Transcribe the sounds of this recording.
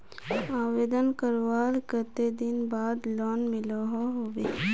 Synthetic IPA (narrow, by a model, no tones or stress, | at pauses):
aːʋeːd̪ənkəɾʋaːlkəɾt̪ed̪ɪnbaːd̪lɔːnmɪloɦoɦoːʋeː